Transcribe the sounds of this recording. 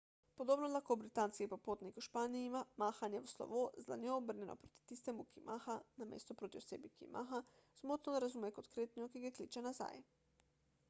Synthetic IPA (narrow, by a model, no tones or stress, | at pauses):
pod̪oːbnɔlaxkobɾit̪anskipapoːt̪nikuʃpaːniimamaːxanjɛwslɔ̰ʋozla̰njɔobəɾnʲjɛnɔ̰pɾot̪i̥t̪ist̪ɛmukimʔaːxanamḛːst̪ɔpɾoːt̪iosḛːbikḭmʔa̰xazmot̪nɔd̪aɾazumɛkot̪kɾeːt̪nijɔkiɡjɛklit͡ʃɛnaza̰ːj